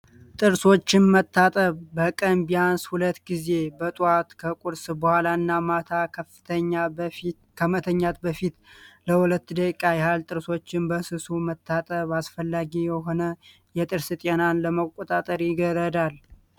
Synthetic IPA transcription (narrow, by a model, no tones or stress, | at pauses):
t̪ʼɨɾso̞t͡ʃːɪnmət̪ʰːat̪ʼəβːəkʼənbijanshulət̪ːɡize̞bət̪ʼat̪kʰəkʼuɾsɨbəhalaɨnːamat̪ʰakʰəft̪ʰəɲːa | kʰəmət̪ʰəɲːat̪bəfit̪ləhulət̪ːɨd̪əkʼkʼːajhalt̪ʼɨɾso̞t͡ʃːɪnbəsɨsumət̪ʰːat̪ʼəβasfəlːaɡijɛɦo̞nə | jɛt̪ʼɨɾsɨt̪ʼenanləməkʼːot̪ʼat̪ʼəɾjɪɡəɾəd̪al